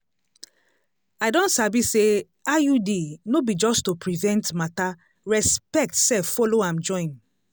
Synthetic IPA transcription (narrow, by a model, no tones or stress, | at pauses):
aɪdɔ̃nsabise | ajudinobid͡ʒɔstupɹivɛ̃ntmata | ɹɛspɛk̚tsɛfɔloãmd͡ʒɔ̃ĩn